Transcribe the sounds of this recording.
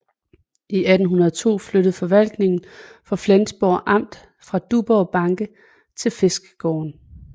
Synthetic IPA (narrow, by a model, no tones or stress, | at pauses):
iʔæd̥n̩ɦunɐðˠɒt͡sʰo̝̰ːfløɾ̥əð̩ˠfɒ̽ʋæl̰ɡ̥ne̝ŋn̩fɒ̽flensb̥o̰ʔɑ̈m̰d̥ | fʁɑ̈d̥ub̥ɒb̥ɑ̈ŋɡ̥ə | t͡sʰe̝lfe̝sɡ̥ə̥ɡ̥ɒ̰ːn